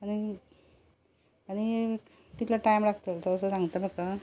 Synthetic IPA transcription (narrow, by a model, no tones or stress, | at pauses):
aɽ̃i | aɽ̃i | t̪it̪laʈajmlaɡt̪əlt̪əsəsãŋɡt̪əməkːa